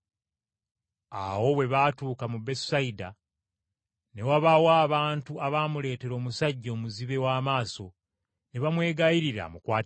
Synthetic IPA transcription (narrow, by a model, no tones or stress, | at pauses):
a̰wo̞we̞βatuːkamube̞ssaida | ne̞waβawaːβaːntuaβaːmule̞ːte̞ɾo̞ːmusaɟːo̞ːmuziβe̞waːmaːso̞ | ne̞βamwe̞ːɡajiɾiɾa̰mukwaː